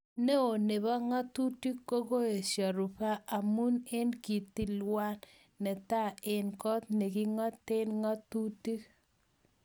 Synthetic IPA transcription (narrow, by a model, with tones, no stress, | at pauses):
ne˦o˨ne˨βa˦ŋa˦tu˦ti˦kːo˦ko˦e˨ʃa˨ɾu˨pa˦ʔa˨mu˦ne˦nki˨t̪i˦lwa˦nː | ɛ˨t̪a˦˨e˨nkɔ˦t̪̚ne˨ki˦ŋɔ˦te˦nŋɔ˦t̪u˦ti˦k